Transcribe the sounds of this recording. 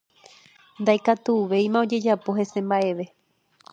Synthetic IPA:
nd̪ajkat̪uːʋe̞jmão̞d͡ʒe̞d͡ʒapo̞ɦe̞sẽ̞mbaʔe̞ʋe̞

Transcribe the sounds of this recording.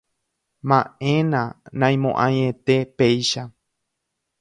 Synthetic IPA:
mãʔẽ̞nãnãj̃mõʔãɲẽt̪epe̞jʃa

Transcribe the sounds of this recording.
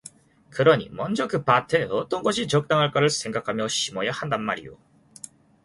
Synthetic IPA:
kɯɾʌɲḭmʌnd͡ʑʌkɯpatʰe̞ʌt͈ʌnɡʌɕʰit͡ɕʌk̚t͈aŋɦaɭk͈aɾɯɭsʰe̞ŋɡakʰamjʌɕʰimʌjahandanmaɾḭjo̰

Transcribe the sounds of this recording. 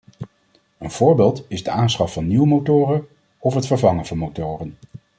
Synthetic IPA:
ənv̥ʊːɹbeːlˠtɪzdəaːnsχɑfɑnːiwəmowtʊːrən | ɔfɦətfəɹvɑŋənvɑnmowtʊːrən

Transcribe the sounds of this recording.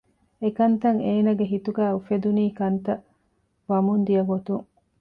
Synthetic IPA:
ekɐnt̪ɐŋeːnɐɡeɦit̪uɡæːufed̪uniːkɐnt̪ɐ | ʋɐmund̪ijɐɡot̪uŋ

